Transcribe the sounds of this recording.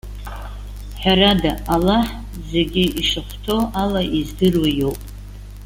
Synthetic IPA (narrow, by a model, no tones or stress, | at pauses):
ħaɾadaalaħ | ze̞ɡʲɪʔiʂɨχʷtʰo̞ʔalaʔizdɨrwajo̞wpʼ